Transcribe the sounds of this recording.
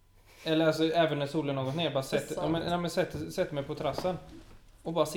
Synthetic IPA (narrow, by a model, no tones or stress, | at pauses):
ɛlːəɾasɔɛːvənːæsuːləɳoːɡɔt̪neːjabɑːɾasɛt̪ːmɛnnæmɛnsɛt̪ːsɛt̪ːmɛjpʰɔt̪ʰɾasːənɔbɑːɾas